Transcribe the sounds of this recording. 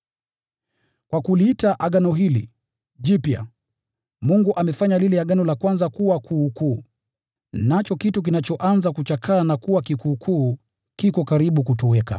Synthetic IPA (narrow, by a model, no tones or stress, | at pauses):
kwakuliitaʔaɠanɔɦilḭ | ʄipja̰ | muŋɡuʔamɛfaɲalilɛaɠanɔlakwanzakuwakʰukuː | nat͡ʃɔkituk̬inat͡ʃɔʔanzakut͡ʃakʰanakuwakikuːkʰuː | kikɔkaɾiɓukutɔwɛka̰